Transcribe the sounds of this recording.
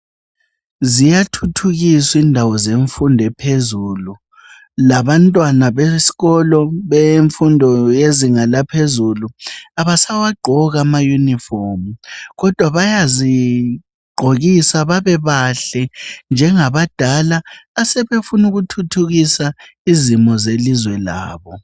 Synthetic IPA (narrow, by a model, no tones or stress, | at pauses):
zijatʰutʰuɣisindʱawɔzeɱfundʱɛpʰezuːlu | laβantʼwanaβesi̥ɣɔlɔβeɱfundʱɔjeziŋalapʰezuluaβasawaɡ͡ǃʱɔɣamajunifɔmuɣɔd̥ʱwaβajazi | ɡ͡ǃʱoɣisaβaβɛβaɬɛnd͡ʒʱɛŋaβad̥ʱalaːsɛβefunuɣutʰutʰuɣisa | izimɔzelizwɛla̰ːβɔ